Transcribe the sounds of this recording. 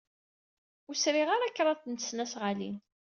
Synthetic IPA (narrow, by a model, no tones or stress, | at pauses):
usɾiʁaɾakːɾˤɑθnəsnæsʁalḭn